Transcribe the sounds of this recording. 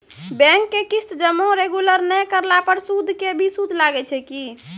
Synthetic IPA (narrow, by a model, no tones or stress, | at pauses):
bɛ̃ŋkːekist̪d͡ʒəmːoɾeɡuləɾnɛkəɾlapəɾsud̪ʱkebʱisud̪ʱlaɡɛt͡ʃʰɛki